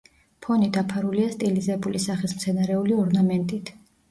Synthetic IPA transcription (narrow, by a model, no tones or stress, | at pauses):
pʰɔnid̪apʰaɾuliast̪ʼilizɛbulisaχismt̪sʰɛnaɾɛuliɔɾnamɛnt̪ʼit̪ʰ